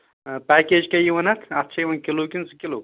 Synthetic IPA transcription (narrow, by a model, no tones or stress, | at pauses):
pɛːkeːd͡ʒkɐjiʋɐnɐt̪ʰɐt̪ːt͡ʃʰɐjiʋɐnkʲiloːkinsɨkʲiloː